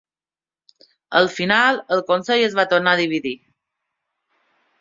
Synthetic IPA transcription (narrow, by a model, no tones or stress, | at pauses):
əlˠfinalˠəlˠkonseʎəzβat̪ornaðiβ̞iði